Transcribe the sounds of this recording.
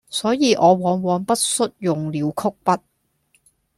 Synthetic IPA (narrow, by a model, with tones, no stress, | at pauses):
sɔː˨˥jiː˨˧ʔɔː˨˧wɔː˨˧˥nwɔː˨˧npɐ˥t̚sɵ˥t̚jʊ˨ŋliː˨˧wkʰʊ˥k̚pɐ˥t̚